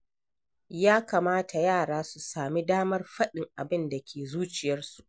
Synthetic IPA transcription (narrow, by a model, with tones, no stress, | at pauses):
jaː˦kaː˨maː˦tʰa˨jaː˦˨ɽaː˦su˨saː˨mi˦daː˦mɐ˦rɸɐ˦ɗɪ˨ŋʔa˨bɪ˦nda˨kʲʰeː˨zuː˦t͡ʃɪ˨jɐ˦rsu˨ʔ